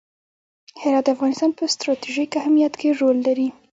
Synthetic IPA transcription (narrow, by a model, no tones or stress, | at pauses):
hɪɾɑt̪d̪afɣɑnɪst̪ɑnpəst̪ɾɑt̪iʒikahmijat̪keɾolːaɾi